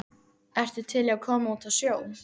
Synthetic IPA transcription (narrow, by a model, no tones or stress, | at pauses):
ɛr̥t̪ʏt̪ʰɪlakʰɔːmaut̪ʰaðsjoːw